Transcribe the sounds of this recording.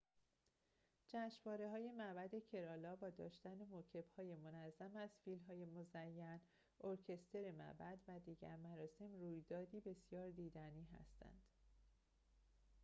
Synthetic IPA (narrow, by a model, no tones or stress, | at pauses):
d͡ʒæʃvɒːɾe̞ɦɒːje̞mæbæd̪e̞cʰe̞ɾɒːlɒːbɒːd̪ɒ̰ːʃt̪ænemocʰe̞b̥hɒːje̞monæzːæmæzfilmɦɒːje̞mozæjːæn | ʔoɾcʰe̞st̪ʰe̞ɾe̞mæ̰bæd̪væd̪iːɟæ̰ɾmæɾɒːse̞mruːjd̪ɒːd̪iːbe̞sjɒːɾd̪iːd̪æniːɦæ̰st̪ʰæ̰nd̪̥